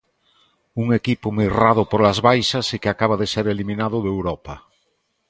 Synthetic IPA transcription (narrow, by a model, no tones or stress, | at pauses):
uŋekipomirað̞opoɾlazβajsasikeakaβ̞aðeseɾelimĩnað̞oðewɾopa